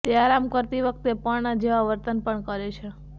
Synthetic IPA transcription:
t̪eaɾamkəɾt̪iʋək̚t̪epəɳnad͡ʒeʋaʋəɾt̪ənpəɳkəɾet͡ʃʰe

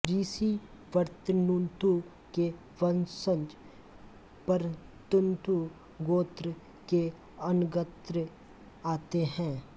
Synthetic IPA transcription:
ɾiːsi | ʋəɾt̪ənunt̪u | ke | ʋənsə̃nd͡ʒ | pəɾt̪ʊnt̪u | ɡoːt̪ɾ | ke | ɐnɡət̪ɾə | aːt̪eɦɛ̃ː

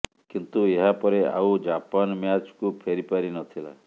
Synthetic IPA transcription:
kint̪ueɦapɔɾea̰ud͡ʒapanmjat͡ʃkupʰeɾipaɾinɔt̪ʰila̰

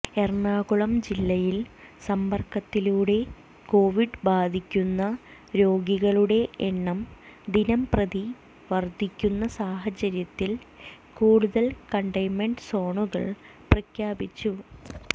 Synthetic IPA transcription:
e̞rɳaːkuɭɐmd͡ʑilːɐjilsɐmpɐrkɐt̪ːiluːɽe̞ | ko̞ːʋiɖbaːd̪ʱikʲːunːɐ | ɾo̞ːɡiɣɐɭuɽe̞ʔeɳːɐmd̪inɐmprɐði | ʋɐrd̪ʱikʲːunːɐsaːɦɐt͡ɕːɐɾjɐt̪ːil | kuːɽuðɐlkɐɳɖɐjmeɳɖso̞ːɳuɣɐ̰ɭ | prɐkʰjaːbit͡ɕːu

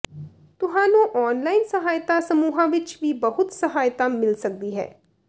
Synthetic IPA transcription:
t̪ʊɦãːnũːʔɔːnlaːɪnsəɦaːjt̪aːsəmuːɦãːʋɪt͡ʃʋiːbəɦʊt̪səɦaːjt̪aːmɪlsək̚d̪iːɦɛ̰ː

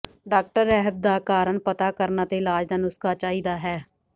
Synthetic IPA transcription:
ɖaːk̚ʈəɾɛːɦəb̚d̪aːkaːɾəɳpət̪aːkəɾnaːt̪eːɪlaːd͡ʒd̪ənʊskaːt͡ʃaːiːd̪aːɦɛː

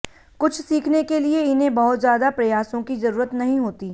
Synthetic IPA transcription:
kʊt͡ʃʰsiːkʰnekelieɪnɦẽbɐɦʊt̪zjaːd̪apɾɐjaːsõkizɐɾuːɾət̪nɐɦĩɦoːt̪iː

